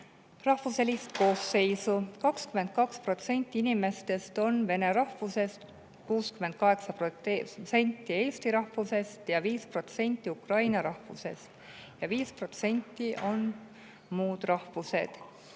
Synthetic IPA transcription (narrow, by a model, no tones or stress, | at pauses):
rɑhvuselʲist̪ko̞ːsːe̞jsukɑkskyme̞nd̪̥̚kɑkspro̞t̪se̞nʲt̪ˑːiinime̞st̪e̞st̪o̞nve̞ne̞ɾɑhvuse̞st̪ | kuːskymːe̞nd̪̚kɑɦe̞ksɑpose̞nʲt̪ːie̞ːst̪iɾɑhvuse̞st̪jɑviːspro̞t̪se̞nʲt̪ˑːiukrɑjnɑɾɑhvṵse̞̰st̪ | jɑviːspro̞t̪se̞nʲt̪ˑːiʔo̞n | muːd̪̥rɑhvuse̞d̪̥